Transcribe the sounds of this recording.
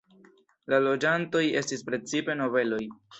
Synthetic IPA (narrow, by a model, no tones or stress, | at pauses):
lalo̞d͡ʒanto̞je̞stispɾe̞t͡sipe̞no̞ve̞lo̞j